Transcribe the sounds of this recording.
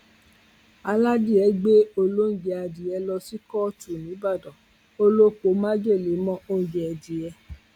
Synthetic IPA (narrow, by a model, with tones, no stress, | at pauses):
a˧la˦di˦˨ɛ˨˧˦ɡ͡be˦o˧lo˦˨d͡ʒɛ˧a˧di˨ɛ˧lɔ˧si˦kɔ˦˨tu˨nĩ˨˦ba˦˨dɔ̃˨ | o˧lo˦k͡po˨˦mã˦d͡ʒe˦˨le˨˦mɔ̃˦o˦˨d͡ʒɛ˨a˧di˨jɛ˧